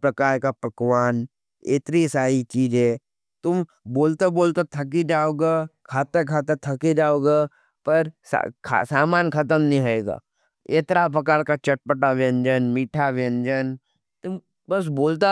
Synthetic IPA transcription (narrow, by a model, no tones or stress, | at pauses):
pɾɐkaːɾkapɐkwaːn | eːt̪ɾisaːit͡ʃiːd͡ʒɦẽ | t̪ʊm | boːlt̪eboːlt̪et̪ʰɐk̬id͡ʒaːoːɡakʰaːt̪ekʰaːt̪et̪ʰɐkid͡ʒaːoːɡa | pɐɾskʰa̰saːmaːnkʰɐt̪əmnĩɦɐeːɡa̰ː | eːt̪ɾap̬ɐkaːɽkat͡ʃɐʈ̚pəʈaʋẽnd͡ʒənmiːʈʰaʋẽnd͡ʒən | t̪ʊm | bɐs̬boːlt̪a